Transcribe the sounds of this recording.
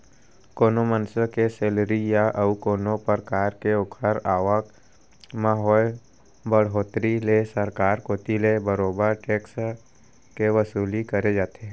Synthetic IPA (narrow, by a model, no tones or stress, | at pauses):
koːnomənsəkeseːlɾijaʔəukoːnopəɾkaːɾkeʊkʰəɾaːʋək | maɦɔːj | bəɽ̤ɦoːt̪ɾilesəɾkaːɾkoːt̪ilebəɾoːbəɾʈeːks | keʋəsuːlikəɾed͡ʒaːt̪eɦɛ̃ː